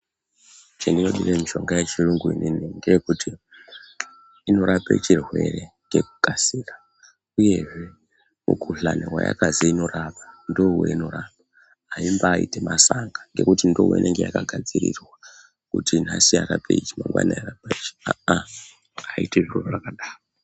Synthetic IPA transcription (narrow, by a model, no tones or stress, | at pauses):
t͡ʃendino̞ɗiremiʃo̞ŋɡajet͡ʃiruŋɡuinʔiniŋɡejekutʰi | ino̞ɾapḛt͡ʃirwe̞re̞ | t͡ʃke̞ku̥kʼasiːra | uje̞ʐe̞ | mṵkʰuɬanewaja̰kaziino̞rapḁndo̞wḛino̞ɾaːpa | ɦːimbaːḭtemasaŋɡaŋɡe̞kutindoweinʔeŋɡe̞jakaɡʱad͡ziɾḭrwa | kutin̤asiaɾapʰeit͡ʃimaŋɡwa̰najerapait͡ʃi̥aa | aiteʐirororakaɗaːo